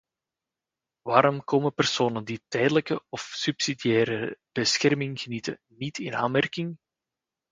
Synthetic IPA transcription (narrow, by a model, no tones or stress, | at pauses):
ʋaːɾɔmkoːməpərsoːnənditɛjdələkəɔfsypsidijɛːɾəb̥əsxɛrmɪŋɣənitə̰ | nitɪna̰ːnmɛrkɪŋ